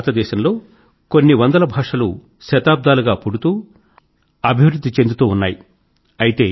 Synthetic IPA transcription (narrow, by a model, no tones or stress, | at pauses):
t̪ɐd̪ɛːʃɐmlo̞ː | ko̞nːiʋɐnd̪ɐlɐbʱaːʂɐlṵ | ʃɐt̪aːb̚d̪aːluɡaːpuɽut̪uː | ɐbʱiʋɾud̪ʱːit͡ʃe̞nd̪ut̪uːunːaːji | ɐjit̪e̞ː